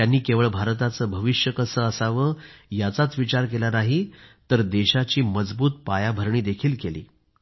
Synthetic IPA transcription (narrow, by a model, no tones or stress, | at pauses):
janːiːkeʋəɭbʱaɾt̪at͡səːbʱəʋiɕjəkəsəːəsaʋəːjat͡sat͡sʋit͡ɕaɾk̬elanaɦit̪əɾd̪eɕat͡ɕiːməd͡zbuːt̪̚pajabʱəɾɳiːd̪ekʰiːlkelḭː